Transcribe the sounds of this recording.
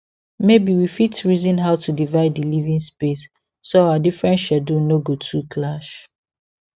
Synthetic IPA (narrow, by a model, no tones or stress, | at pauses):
mebiwifitɹizĩnɦaʊtʰudivaɪdilivĩŋspesː | oaadifɹɛ̃nʃadunoɡotʰukʰlaʃ